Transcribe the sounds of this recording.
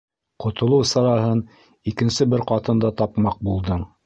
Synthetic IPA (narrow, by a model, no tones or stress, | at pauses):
qŏt̪ŏlˠɤwsɑɾɑɦɤn | ikɘ̆nsɘbɘɾqɑt̪ɤ̆nd̪ɑt̪ɑpmɑq̚bulˠd̪ɤɴ